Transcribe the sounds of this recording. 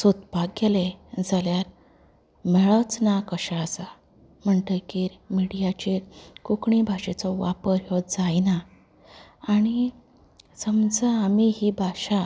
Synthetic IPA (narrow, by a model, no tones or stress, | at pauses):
sut̪̚paɡeled͡zaljaɾ | mɛɭət͡snakəɕaəsa | m̤əɳʈəjkiːɾmiɽijat͡ɕeɾkukɳibʱaɕet͡sɔʋapəɾjɔd̪̚d͡zajnaː | ɽ̃i | səmd͡zaːmiɦibʱaɕa